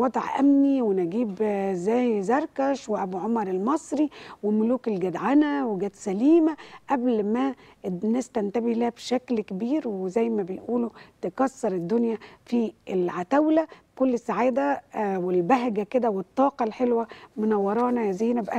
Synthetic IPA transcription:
wɑd̪ˤʕʔæ̰mniwenæɡiːbezːæːjzɑɾˤkæʃweʔæbuʕomɑɾˤelmɑsˤɾiwemʊluːkelɡæd̪ʕanæweɡæːt̪sæliːmæʔæblmænæːst̪ænt̪æbehlæhbʃæklkebiːɾwezæjːmæbejʔuːlot̪ekɑsːɑɾˤed̪ːonjæfiʔelʕat̪æwlæ | kolːesːaʕaːd̪æwelbæɦɡæked̪æwet̪ˤːɑːqɑlħelwæmonɑwːɑɾˤɑːnæzæːjːnæbʔæ

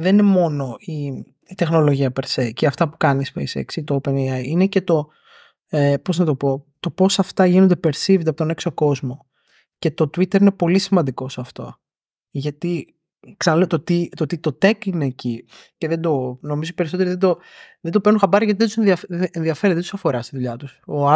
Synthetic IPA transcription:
ðeninemo̞no̞i | it̪e̞xno̞lo̞ʝiɐpeɾseiceɐft̪ɐpu̥kɐnispḛjsḛksit̪oopeneɐjine̞ce̞t̪o̞ | epo̞znɐt̪o̞po̞t̪o̞po̞sɐft̪ɐʝinond̪epe̞ɾsivd̪ɐpot̪o̞ne̞ksoko̞zmo̞ | ce̞t̪o̞t̪wit̪e̞ɾinepo̞lisimɐnd̪iko̞sɐft̪o̞̰ | ʝɐt̪i | ksɐnɐlet̪ot̪it̪ot̪it̪o̞t̪e̞kine̞ːci | ce̞ðed̪o̞no̞mizoipeɾisot̪eiðed̪o | ðend̪o̞peɾnũxɐmbɐɾiʝɐt̪iðeusenðiɐfenðiɐfe̞ɾet̪ðt̪usɐfo̞ɾɐst̪iðuʎɐt̪uso

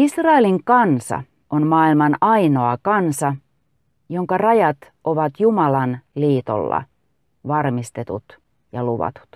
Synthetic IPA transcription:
isrɑeliŋkɑnsɑ̰ | onmɑːilmɑnɑino̞ɑkɑnsɑ | joŋkɑrɑjɑt̪ | ʔoʋɑt̪jumɑlɑnliːt̪o̰lːɑ̰ | ʋɑrmist̪et̪ṵt̪ | jɑluʋɑ̰t̪u̥t̪

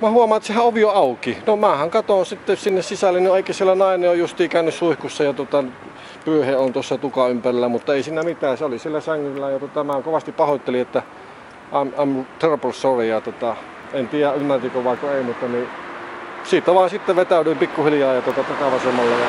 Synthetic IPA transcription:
mæhuɑmˑɑnt̪sehæʔoʋioɑˑukinomæːhæŋkɑt̪onsit̪ːesinːessisælːennieˑikːæsielːænɑˑineojjust̪iːkæˑønːyssuihkusːɑjɑt̪ŭot̪ɑn | pyøheont̪uosːɑt̪ukɑympærilːæmut̪ːɑeˑisiːnæmit̪æːseolisielːæsæŋːylːæjɑt̪ŭŏt̪ɑmækoʋɑst̪ippɑhot̪ːeliʔʔet̪ːæ | ʔɑmɑˑmult̪ʰørpolssorejɑt̪ŭot̪ɑ | ent̪iːjæymːært̪ikoʋɑˑkoeˑimut̪ːɑni | siːt̪ːˑæʋɑˑensit̪ːeʋet̪æˑlyːmpikːuhilijɑːjɑt̪uot̪ɑt̪ɑkɑʋɑsemːɑlːɑjɑ

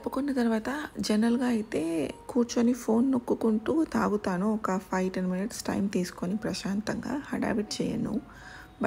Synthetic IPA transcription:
t̪ɐpːukonːɐt̪ɐɾʋaːt̪ɐd͡ʒɛnɾɐlɡaːɐjit̪e̞ːkuːɾt͡ʃonipʰo̞ːnːokːukuɳʈuːt̪aːɡut̪aːnuɔkɐpʰɐjʈɐnminiʈsʈɐ̰jmt̪iːsu̥konipɾɐʃaːnt̪ɐŋɡa̰ːhɐɖa̰ːbiʈ̚t͡ʃɛːjɐ̰nṵ | bɐ

